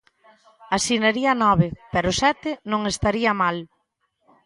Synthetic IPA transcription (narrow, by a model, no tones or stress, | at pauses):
asineɾiɐnɔβɪpɛɾʊsɛt̪ɪnõŋest̪aɾiɐmal